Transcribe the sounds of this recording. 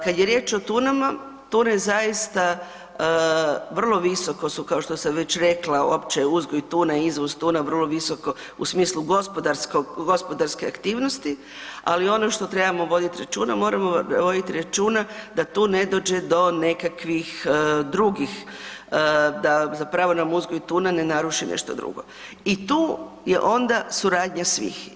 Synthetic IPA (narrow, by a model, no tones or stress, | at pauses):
kad̪jeɾje̞ːt͡ʃo̞t̪uːnama | t̪uːnezajist̪a | ʋr̩lˠo̞ʋiso̞ko̞sukaoʃt̪o̞samʋe̞t͡ɕɾe̞klˠaopt͡ʃeuzɡojt̪uːnaiizʋozt̪uːnaʋər̩lˠoʋiso̞ko | ṵsmiːslˠuɡospod̪aɾskoɡɡospo̞d̪aɾskeakt̪iːʋno̞st̪i | a̰lio̞noʃt̪o̞t̪ɾe̞bamo̞ʋo̞d̪it̪iɾat͡ʃuːnamo̞ːɾamoʋo̞d̪it̪iɾat͡ʃuːnad̪at̪uːne̞d̪o̞ːd͡ʑe̞d̪o̞ne̞kakʋixd̪ɾuɡix | d̪azapɾaʋo̞namuzɡo̞jt̪uːnane̞naɾuʃinḛʃt̪od̪ɾṵɡo̞̰ | it̪uː | jḛʔo̞nd̪asuɾaːd̪ɲasʋḭx